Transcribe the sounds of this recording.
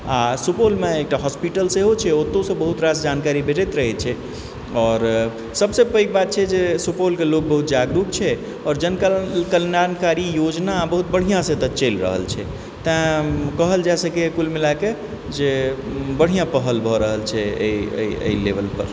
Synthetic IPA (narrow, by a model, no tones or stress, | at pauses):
asupolmeek̚ʈaɦɔspiʈəlseɦot͡ʃʰɛot̪ːõsə̃bəɦut̪ɾasd͡ʒankaɾibeʈɛt̪ɾəɦɛt͡ʃʰɛ | ɔːɾ | səbsepəjk̚bat̪̚t͡ʃʰɛd͡ʒesupolkelok̚bəɦut̪̚d͡ʒaɡɾuk̚t͡ʃʰɛ | ɔːɾd͡ʒənkkəlnankaɾijod͡ʒnabəɦut̪̚bəɽ̤ijãsẽt̪ət͡ʃelɾə̰ɦə̰lt͡ʃʰɛ̰ | t̪ãkəɦəld͡ʒɛsəkekulmilake | d͡ʒebəɽ̤ijãpəɦəlbʱɔɾəɦəlt͡ʃʰɛḛiə̰ə̰ilebəlpə̰ɾ